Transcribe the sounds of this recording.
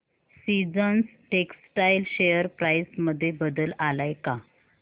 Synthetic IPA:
sid͡zənsʈeksʈajlɕejəɾpɾajsməd̪ʱːjebəd̪əlalajka

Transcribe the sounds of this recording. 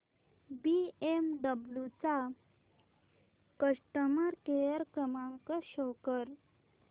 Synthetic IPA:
biemɖəbljut͡sa | kəʂʈəməɾkejəɾkəmaŋkəɕɔwkəɾ

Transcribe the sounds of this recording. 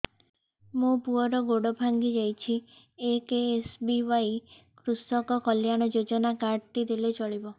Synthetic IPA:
mũpuɔɾɔɡoɽɔbʱaŋɡid͡ʒajt͡ʃʰi | ekeːsbiwaj | kɾusɔkɔkɔljaɽ̃ɔd͡ʒod͡ʒɔnakaɖt̪id̪elet͡ʃɔɭibɔ

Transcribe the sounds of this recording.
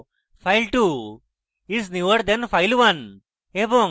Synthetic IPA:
faɪlʈu | izniʋəɾd̪ɛ̃nfaɪlʋɐn | ebo

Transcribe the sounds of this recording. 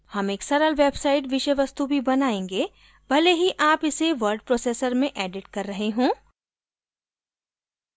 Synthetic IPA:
hɐmeːksɐɾəlʋeːbsaːɪʈ̬ʋɪʃəjʋɐst̪ubʱibɐnaːẽːŋɡeː | bʱɐleɦiʔaːpɪseʋɐɾɖpɾoːseːsəɾmẽʔɛːɖɪʈkɐɾːɐɦeɦõː

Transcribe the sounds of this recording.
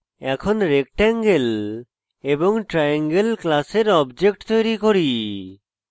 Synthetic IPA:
ɛkʰɔnɾek̚ʈɛŋɡel | ebɔŋʈɾajaŋɡelklaseɾɔbd͡ʒek̚ʈt̪ojɾikoɾi

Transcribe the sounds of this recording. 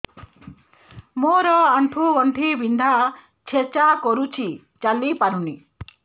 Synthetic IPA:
moɾɔaɳʈʰuɡɔɳʈʰibind̪ʱa | t͡ʃʰet͡ʃakɔɾut͡ʃʰi | t͡ʃalipaɾunḭ

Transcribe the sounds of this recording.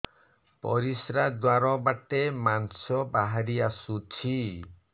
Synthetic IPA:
pɔ̰ɾisɾad̪waɾɔbaʈemansɔbaɦaɾiasut͡ʃʰi

